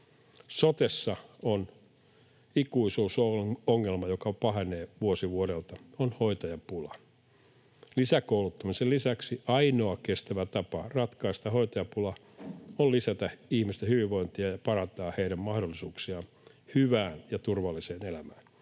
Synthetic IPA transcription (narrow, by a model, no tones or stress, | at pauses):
sot̪esːɑon | ikuisuːsooŋːelmɑjokɑpɑɦeneːʋuosiʋuoɾelt̪ɑonhoit̪ɑjɑpulɑ | lisækoulut̪ːɑmisellisæksiʔɑinoɑkest̪æʋæt̪ɑpɑrɑt̪kɑist̪ɑhoit̪ɑjɑpulɑ | ollisæt̪æihmist̪ehyʋiʋʋoint̪iɑjɑpɑrɑnt̪ɑːheiɾæmmɑhdolːisuːksiɑn | hyʋæːnjɑt̪urʋɑlːiseːnelæmæːn